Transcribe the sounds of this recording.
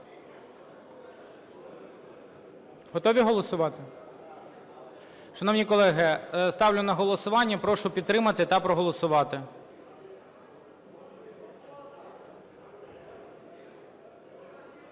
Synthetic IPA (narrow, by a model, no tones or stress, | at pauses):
ɦɔt̪ɔʋʲiɦɔlˠɔsʊʋɑt̪ɪ | ʃɐnɔwnʲikɔlˠɛɦɪst̪ɑwlʲʊnɐɦɔlˠɔsʊʋɑnʲːɐpɾɔʃʊpʲid̪t̪ːɾɪmɐt̪ɪt̪ɑpɾɔɦɔlˠɔsʊʋɑt̪ɪ